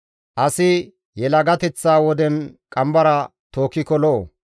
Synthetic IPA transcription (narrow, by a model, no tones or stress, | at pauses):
ʔɐsɪ | jɛlɐɡɐt̪ɛt͡sːaːwɔd̪ɛnkʼɐmbɐɾɐt̪oːkːɪkɔloː